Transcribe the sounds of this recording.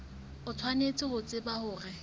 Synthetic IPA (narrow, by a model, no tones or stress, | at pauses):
ʊt͡sʰwanet͡sʼɪhʊt͡sʼɪbahʊːrɪ